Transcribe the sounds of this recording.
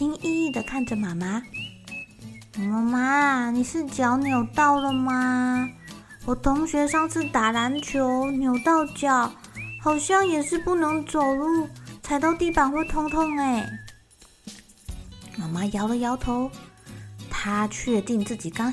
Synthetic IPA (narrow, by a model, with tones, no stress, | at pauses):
i˥ŋi˥˧i˥˩d̪ə˨kʰa˥˩nʈ͡ʂə˨˩ma˨˩ma˥˨˩ | ma˧ma˥ni˨˩ʂɻ̩˥˩t͡ɕjɑ˧˥ʊnjo˨˩ʊt̪ɑ˥˩ʊlə˨ma˧ | wɔ˨˩t̪ʰʊ˧˥ŋɕɥɛ˧˥ʂɑ˥˧ŋʂʰɹ̩˥˩t̪a˨˩la˧˥nt͡ɕʰjo˧˥ʊnjo˨˧˩ʊt̪ɑ˥˩ʊt͡ɕjɑ˨˩˦ʊxɑ˨˩ʊɕjɑ˥˩ŋjɛ˨˩ʂɻ̩˥˧pu˥˩nɤ˧˥ŋt͡so˨˩ʊlu˥˩t͡sʰa˧˥ɪt̪ɑ˥˧ʊt̪i˥˩pa˨˩nxwɛ˥˩t̪ʰʊ˥ŋt̪ʰʊ˥ŋe˨˩ɪ | ma˨˩ma˥jɑ˧˥ʊlə˨jɑ˧˥ʊt̪ʰo˧˦ʊ | t̪ʰa˥t͡ɕʰɥɛ˥˧t̪i˥˧ŋt͡sɹ̩˥˩t͡ɕi˨˩kɑ˥ŋ